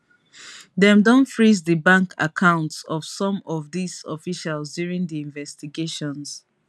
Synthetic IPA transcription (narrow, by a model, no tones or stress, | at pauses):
dɛ̃mdɔ̃ntfɹizðəbãŋkʰa̰kʰãʊ̃ntsɔv̥sɔ̃mɔvðisɔfiʃalzdjuɹĩŋdiĩnvɛstiɡeʃɔ̃ns